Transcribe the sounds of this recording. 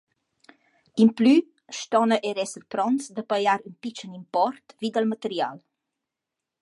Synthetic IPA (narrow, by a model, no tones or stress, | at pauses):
imply | ʃt̪ɔnəʔɛɾɛsəɾpɾɔnsd̪əpajaɾynpit͡ʃənimpɔrt̪vid̪əlmət̪əɾja̰l